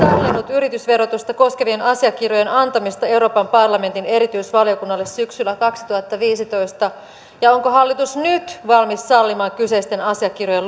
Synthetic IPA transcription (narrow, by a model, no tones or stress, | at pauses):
ɑlːinːut̪yɾit̪ysʋe̞ɾot̪ust̪ɑko̞ske̞ʋienʔɑsiɑkiroje̞nɑnt̪ɑmist̪ɑeuɾo̞ːpɑmpɑrlɑme̞nt̪ine̞ɾit̪yisʋɑlio̞kunːɑlːessyksylːækɑksi̥t̪uhɑt̪ːɑʋiːsit̪oist̪ɑ | jɑoŋkoɦɑlːit̪usnyt̪ʋɑlmissɑlːimɑːŋkyseist̪enɑsiɑkːirojel